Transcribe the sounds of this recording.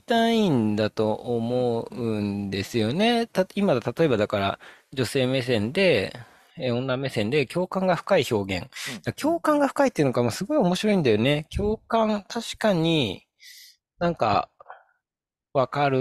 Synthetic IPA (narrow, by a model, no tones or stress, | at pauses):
t̪aĩnd̪at̪o̞ʔːmo̞ɯɯ̟̃nd̪e̞sɨjo̞ne̞t̪aimad̪at̪at̪o̞e̞bad̪akaɾa̰d͡ʑo̞se̞ːme̞s̬ẽ̞nd̪e̞ | eõ̞nːame̞sẽ̞nd̪e̞kʲo̞ːkãŋɡaɸɯ̥kaiço̞ːɡẽ̞̰ŋd̪̥akʲo̞ːkãŋɡaɸɯ̟̥kait̪ːeiɯ̟nokamosɨɡo̞io̞mo̞ɕiɾo̞ĩnd̪ajo̞ne̞kʲo̞ːkãnt̪ʰaɕi̥kaɲ̟i | nãŋka̰ | βakaɾɯ